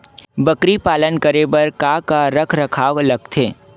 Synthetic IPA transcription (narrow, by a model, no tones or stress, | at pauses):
bɐkɾipaːlənkəɾebɐɾkaːkaɾɐkʰɾɐkʰaːlɐɡt̪ʰeː